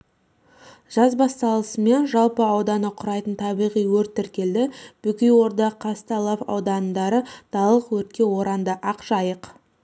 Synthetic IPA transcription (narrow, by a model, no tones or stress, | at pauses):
ʒ̥ɑzbɑst̪ɑlˠəsəme̞nʒɑlˠpəɑwd̪ɑnəqʰʊɾɑjt̪ənt̪ʰɑbijʁijwɵɾt̪ːɪɾkʲe̞ld̪ɪb̥ʏkʲɪjwo̞ɾd̪ɑqʰːɑst̪ɑlˠɑpɑ̰wd̪ɑnd̪ɑɾəd̪̥ɑlˠəqwɵɾt̪̚kʲe̞wo̞ɾɑnd̪əʔɑqʒ̥ɑjəq